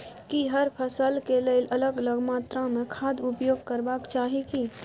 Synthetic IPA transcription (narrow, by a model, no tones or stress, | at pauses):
kiɦəɾpʰəsəlkeleɪlʔɐləɡələɡmaːt̪ɾãmẽkʰaːd̪ʊpjoːɡ̚kəɾbaːkt͡ʃaːɦiki